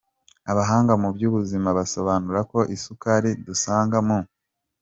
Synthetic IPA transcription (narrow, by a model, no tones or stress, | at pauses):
aβaɦaːŋɡamubjuːβuzimaβaso̞βaːnuɾako̞ʔisukaɾidusaːŋɡamo